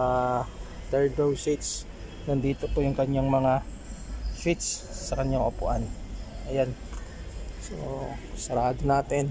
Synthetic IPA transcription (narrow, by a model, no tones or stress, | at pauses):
t̪ɛɹd̪owsit̪s | nɐnd̪iːt̪opojʊŋkɐɲːaŋmɐŋa | sit̪sːɐkɐɲaŋʔopʊʔanʔɐjan | so̰sɐɾaːd̪onaːt̪ɛn